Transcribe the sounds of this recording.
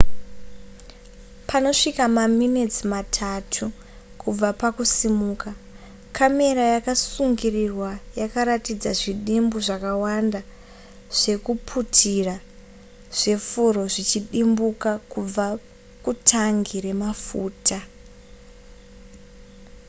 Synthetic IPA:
pʰano̞ʂikamaminet͡simatʰatʰu | kʰub͡vapakusimuːka | kʰame̞ɾajakasuŋɡirirwajakaɾatid͡zaʐiɗimbuʐakawanda | ʐ̥e̞kupʰutʰira | ʐ̥e̞fuɾo̞ʐit͡ʃiɗimbukakub͡va | kutʰaŋɡiɾe̞mafuːtʰa

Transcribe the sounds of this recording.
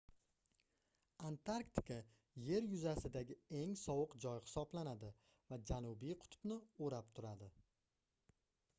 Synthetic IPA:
ant̪ʰaɾkt̪ʰɪ̥kʰa | je̞ɾjʊzasɪd̪aɡʲɪe̞ŋsɒwɨqd͡ʒɒjχɨ̥sɒblanad̪ɪ | vad͡ʒanʊbijqʰʊ̥t̪ʰʊ̥bnɪoɾap̚t̪ʰʊɾad̪ɪ

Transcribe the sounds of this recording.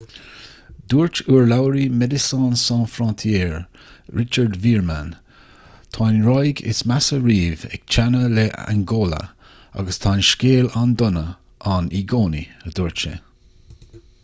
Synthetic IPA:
d̪̥uːɹt͡ʃuːɹlawəɾimɛd̪ɪsɑ̃ːnsɑ̃ːnfɾɔ̃ːnt̪ʰjɛːɹ | ɹɪt͡ʃəɹdviːɹman | t̪ʰanɹɔjɡɪ̰smasəɾiːvɛ̰k̚t͡ʃʰanəleʔa̰nɡoːlə̰ | a̰ɡəst̪ʰanʃkeːland̪ʊnə | ʔaniɡoːniəd̪uːɹt͡ʃə̰

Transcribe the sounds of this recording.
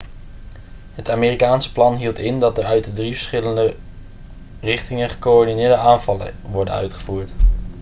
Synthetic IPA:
ɦətaːmeːrikaːnsə̥plɑnɦilˠtɪndɑt̚dəɹœɥtədrivəɹsχɪləndə | rɪχtɪŋənχə̥koɔɹdinɪːɹdəaːnvɑlə̰ʋɔɹdə̰nœ̰ɥtχəvuːɹt

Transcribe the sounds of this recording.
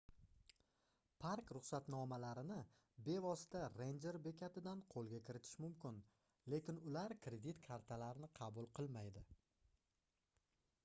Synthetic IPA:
pʰaɾkɾʊχsat̪nɒmalaɾɪnɪ | be̞vɒsɪ̥t̪ʰaɾend͡ʒe̞ɾbe̞kʲʰat̪ʰɪd̪anqʰolˠɡʲakʲɪɾɪt̪ʰɪ̥ʃmʊmkʲɪn | le̞kʲɪnʊlaɾkʰɾe̞d̪it̪kʰaɾt̪ʰalaɾɪnɪqʰɑbʊlˠqʰɨlˠmajd̪ɪ

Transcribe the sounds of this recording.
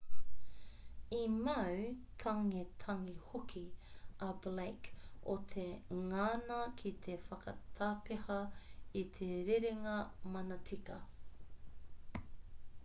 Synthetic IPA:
imɐwt̪ʰɐŋet̪ʰɐŋihokʰiʔɐblekot̪ʰeŋaːnɐkʰit̪ʰefɐkɐt̪ʰaːpehɐit̪ʰeɾeɾeŋɐmɐnɐtʰikɐ

